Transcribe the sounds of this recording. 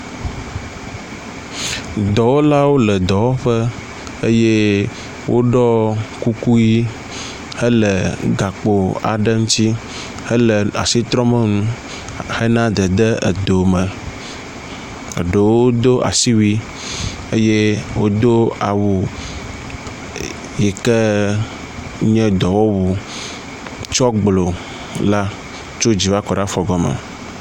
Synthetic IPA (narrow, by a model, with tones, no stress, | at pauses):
d̪ɔ˨wo˦la˦wo˦lə˨d̪ɔ˨wo˦ɸə˦ | ə˦je˦ | wʔo˦ɖɔ˦ku˦ku˦ji˦ | hə˦lə˨ɡa˨k͡po˨a̰˨ɖə˦ŋũ˦t̪i˦ | hə˦lə˨a̰˨si˦t̪ɾɔ˦mə˦ŋũ˦ | hə˦nã˦d̪ə˨d̪ə˦ə̰˨d̪o˨mə̃˨ | ə̰˨ɖə˨wo˦d̪o˦ʔa̰˨si˦wi˦ | e˦je˦wo˦d̪o˦a˨wu˨ | jɛ˨kə˦ | ɲɛ̃˦d̪ɔ˨wɔ˦wu˨ | t͡ʃɔ˦ɡ͡blo˨ | la˦ | t͡ʃo˦d͡ʑi˨va˦kɔ˨ɖa˦fɔ˨ɡɔ˨mə̰˨